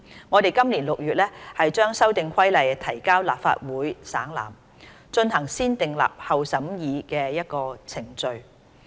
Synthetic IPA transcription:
ŋɔː˨˧t̪e˨jkɐ˥mliː˨˩nlʊ˨k̚jyː˨t̚lɛː˥hɐ˨jt͡ʃœː˥ŋsɐ˥wt̪ɪ˨ŋkʷʰɐ˥jlɐ˨jt̪ʰɐ˨˩jkaː˥wla̰ː˨p̚fa̰ː˧t̚wuː˨˥jsa̰ː˨˥ŋla̰ː˨˩m | t͡ʃɵ˧nhɐ˨˩ŋsiː˥nt̪ɪ˨ŋla̰ː˨˩p̚hɐ˨wsɐ˨˥mjiː˨˧kɛː˧jɐ˥t̚kɔː˧t͡sʰɪ˨˩ŋt͡sɵ˨ɥ

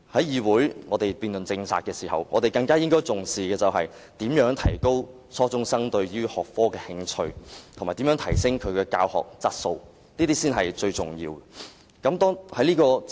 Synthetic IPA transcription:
hɐ˨˥jjiː˨˧wuː˨˥jŋɔː˨˧t̪e˨˩jpiː˨˧nlɵ˨nt͡sɪ˧ŋsʰa̰ː˨t̚kɛː˧siː˨˩hɐ̰˨˩wŋɔː˨˧t̪e˨jkɐ˧ŋkaː˥jɪ˥ŋkɔː˥jt͡sʊ˨ŋsiː˨kɛː˧t͡sɐ˨wɦɐ˨j | t̪iː˨˥mjœː˨˥ŋt̪ʰɐ˨˩jko˥w | sʰɔː˥t͡sʊ˥ŋsɐ˥ŋt̪ɵ˧ɥjyː˥hɔː˨k̚fɔː˥kɛː˧hɪ˧ŋt͡sʰɵ˧ɥt̪ʰmaː˨˩t̪iː˨˥mœː˨˥ŋtʰɐ˨˩jsɪ˥ŋkʰɵ˨˧ɥkɛː˧ka̰ː˧whɔ̰ː˨k̚t͡sɐ˥t̚so˧w | niː˥t̪iː˥siː˥nɦɐ˨jt͡ʃɵ˧ɥt͡sʊ˨˩ŋjḭː˧wɛ˨ | kɐ˨˥mt̪ɔː˥ŋhɐ˨˥jliː˥kɔː˧

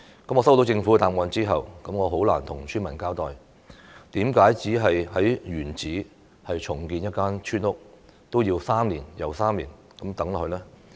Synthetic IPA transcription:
kɐ˨˥mŋɔː˨˧s̬wt̪o˨˧wt͡sɪ˧ŋfu˨˥ɐ˧t̪aː˨mwɔː˨˧nt͡siː˥ɦɐ̰˨wkɐ˨˥mŋɔː˨˧ɦo˨˥wlaː˨˩nt̪ʰʊ˨˩ŋsʰyː˥nmɐ˨˩nkaː˥wt̪ɔː˨j | t̪iː˨˥mkaː˨˥jt͡siː˨˥ɦɐ˨jhɐ˨˥jɥyː˨˩nt͡siː˨˥ | hɐ˨jt͡ʃʰʊ˨˩ŋkiː˧njɐ˥t̚kaː˥nt͡ʃʰyː˥nʊ˥k̚t̪o˥wjiː˧wsaː˥mliː˨˩njɐ˨˩wsaː˥mliː˨˩n | kɐ˨˥mt̪ɐ˨˥ŋlɔ˨hɵ˧lɛː˥

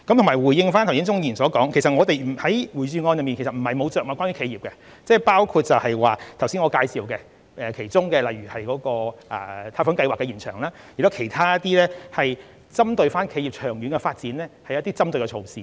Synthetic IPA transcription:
kɐ˨mt̪ʊ˨˩maː˨˩jwuː˨˩jɪ˧ŋfa˥t̪ʰwsi˨˥nt͡sʊ˥ŋjiː˨˩nsɔː˨˥kɔː˨˥ŋkʰe˨˩sɐ˨t̚ŋɔː˨˧t̪e˨˧jm̩˨˩hɐ˨˥jwuː˨˩jt͡ʃyː˨˧ŋɔː˧njɐ˨˩mi˨nʰke˨˩sɐ˨t̚m̩˨˩hɐ˨jmo˨˧wt͡sœː˨k̚ŋɔː˨˧˩kaː˥nɥy˧˥kʰe˨˧jiː˨˩pkɛ˧ | t͡sɛː˥˩paː˥wkʰu˧t̚t͡sɐ˨whɐ˨jwaː˨t̪ʰwsiː˥ŋɔ˨˧kaː˧jsiː˨wkɛ˧ | ʔɛ˨˩kʰe˨˩jt͡sʊ˥ŋkɛ˧lɐ˨jɥyː˨˩hɐ˨jkɔː˨˥kɔː˧ʔɛ˨˧t̪ʰaː˧fʊ˨˥nkɐ˧jwaː˨kːɛ˧jiː˨˩nt͡ʃʰœ̰ː˨˩ŋlaː˥jy˨˩t̪o˥kʰe˨˩jt̪ʰaː˥jɐ˥t̪iː˥lɛː˥hɐ˨j | t͡sɐ˥mt̪ɵ˨˧ɥfaː˥nkʰe˨˧jiː˨p̚t͡ʃʰœː˨˩ŋjyː˨˥nkɛ˧faː˧t̚t͡siː˨˥nlɛː˥hɐ˨jɐ˥t̪iː˥t͡sɐ˥mt̪ɵ˨kɛ˧t͡ʃʰo˨˧wsiː˨˩

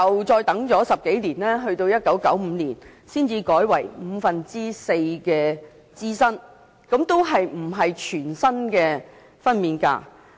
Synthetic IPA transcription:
ɐ˨wt͡sɔː˧jt̪ɐ˨˥ŋt͡sɔː˨˥sɐ˨p̚ke˨˥jliː˨˩nlɛː˥ɦɵ˧ɥt̪o˧wjɐ˥t̚kɐ˨˥wkɐ˨˥wm̩ː˨˧niː˨˩nsiː˥nt͡siː˧kɔː˨˥jwɐ˨˩jm̩ː˨˧fɐ˨nt͡siː˥se˧jkɛː˧ | t͡siː˥sɐ˥n | kɐ˨˧˥mt̪o˥wɦɐ˨jm̩˨˩ɦɐ˨jt͡ʃʰyː˨˩nsɐ˥nkɛː˧ | fɐ˥nmiː˨nka̰ː˧

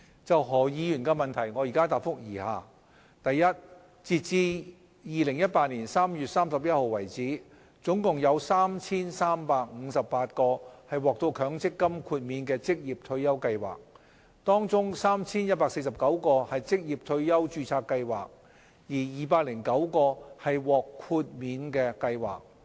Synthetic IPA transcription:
t͡sɐ˨wɦɔː˨˩jiː˨˧jyː˨˩nkɛː˧mɐ˨˩nt̪ʰɐ˨˩jŋɔː˨˧jiː˨kaː˥t̪aː˨p̚fʊ˥k̚jiː˨˩ha̰ː˨˩ | t̪ɐ˨jːɐ˥t̚ | t͡siː˨t̚t͡siː˧ | jiː˨lɪ˨˩ŋjɐ˥t̚paː˧t̚niː˨˩nsaː˥mjyː˨t̚saː˥msɐ˨p̚jɐ˥t̚ho˨wwɐ˨˩jt͡siː˨˥ | t͡sʊ˨˥ŋkʊ˨ŋjɐ˨˧wsaː˥mt͡sʰiː˥nsaː˥mpaː˧k̚ŋ̩˨˧sɐ˨ppaː˧t̚kɔː˧hɐ˨jwɔː˨˩k̚t̪o˧wkʰœː˨˥ŋt͡sɪ˥kːɐ˥mkʰuː˧t̚miː˨˧nkɛː˧t͡sɪ˥k̚jiː˨p̚t̪ʰɵ˧ɥjɐ˥wkɐ˧jwa̰ː˨k̚ | t̪ɔː˥ŋt͡sʊ˥ŋsaː˥mt͡sʰiː˥njɐ˥t̚paː˧k̚se˧js̬ɐ˨p̚kɐ˨˥wkɔː˧hɐ˨jt͡sɪ˥k̚jiː˨p̚t̪ʰɵ˧ɥjɐ˥wt͡ʃyː˧t͡sʰaː˧kːɐ˧jwa̰ː˨k̚ | jiː˨˩jiː˨paː˧k̚lɪ˨˩ŋkɐ˨˥wkɔː˧hɐ˨˩jwɔː˨kʰuː˧t̚miː˨˧nkɛː˧kɐ˧jwa̰ː˨˩k̚

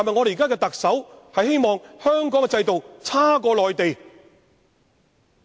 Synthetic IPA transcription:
a˨nmɐ˨jŋɔː˨˧eː˨kaː˥kɛ˧t̪ɐ˨k̚sɐ˨˥whɐ˨jɦe˥jmɔː˨ŋhœː˥ŋkɔː˨˥ŋɛ˧t͡sɐ˧jt̪o˨wt͡sʰaː˥k̬ɔː˧lɔː˨jt̪e˨j

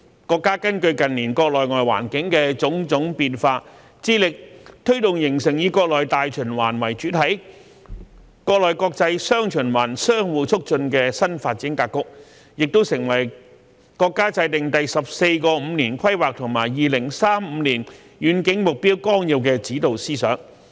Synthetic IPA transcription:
kɔː˧kːaː˥kɐ˥nkɵ˧ɥkɐ˨nliː˨˩nkɔː˧k̚lɔː˨jŋɔː˨jwa̰ː˨˩nkɪ˨˥ŋkɛː˧t͡sʊ˨˥ŋt͡sʊ˨˥ŋpiː˧nfaː˧ | t͡siː˥lɪ˨k̚t̪ʰɵ˥ɥt̪ʊ˨ŋjɪ˨˩ŋsɪ˨˩ŋjiː˨˧kɔː˧k̚lɔː˨jt̪aː˨jt͡ʃʰɵ˨˩nwaː˨˩nwɐ˨˩jt͡ʃyː˨˥t̪ʰɐ˨˥j | kɔː˧k̚lɔː˨jkɔː˧k̚t͡sɐ˧jsœː˥ŋt͡ʃʰɵ˨˩nwaː˨˩nsœː˥ŋwuː˨˧t͡sʰʊ˥k̚t͡ʃɵ˧nkɛː˧sɐ˥nfaː˧t̚t͡si˨˥nkaː˧kʊ˥k̚ | jɪ˨k̚t̪o˥wsɪ˨˩ŋwɐ˨˩j | kɔː˧kːaː˥t͡sɐ˧jt̪ɪ˨ŋt̪ɐ˨jsɐ˨p̚se˧jkɔː˧m̩ː˨˧niː˨˩nkʰɐ˥jwaː˨k̚t̪ʰʊ˨˩ŋma̰ː˨˩jːiː˨lɪ˨˩ŋsaː˥mm̩ː˨˧niː˨˩n | jyː˨˧˥nkɪ˨˥ŋmʊ˨k̚piː˥wkɔː˥ŋji˧wk̬ɛː˧t͡siː˨˥t̪o˨wsiː˥sœ̰ː˨˥ŋ

